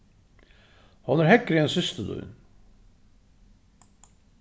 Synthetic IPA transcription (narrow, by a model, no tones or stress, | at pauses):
hɑnæɾhɛkːɾɪɛnsʏst̪əd̪œ̰ʏ̰n